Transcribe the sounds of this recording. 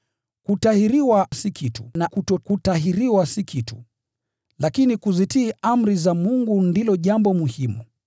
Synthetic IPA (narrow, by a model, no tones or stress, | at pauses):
kutahiɾiwasikʰitu̥nakutɔkutaɦiɾiwasikʰitu̥ | lakinikuzitiːʔam̩ɾizamuŋɡundilɔʄambɔmuhimu